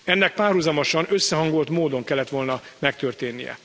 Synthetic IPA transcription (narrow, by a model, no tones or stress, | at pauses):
ɛnːɛk̚paːrhuzɒmoʃɒnø̞sːɛɦɒŋɡo̞lt̪moːd̪o̞ŋkɛlːɛt̪ʋo̞lnɒmɛkt̪ørt̪eːnːḭjɛ̰